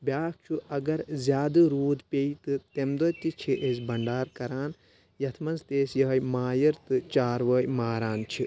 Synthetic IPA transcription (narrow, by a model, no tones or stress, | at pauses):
bʲaːk̚t͡ʃʰuɐɡɐɾzʲjaːd̪ɨɾuːd̪pʲeit̪ɨt̪emd̪ɐːt̪it͡ʃʰiʔesʲbɐɳɖaːɾkɐɾaːn | jɐt̪ʰmɐnzt̪eːsjɐɦɐjmaːjɐɾt̪ɨt͡ʃaːɾʋɐːjmaːɾaːnt͡ʃʰi